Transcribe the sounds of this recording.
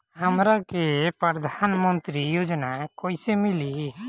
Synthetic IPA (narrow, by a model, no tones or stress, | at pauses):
hamɾakepɾəɾd̪ʱanmənt̪ɾijod͡ʒnakɔjsemili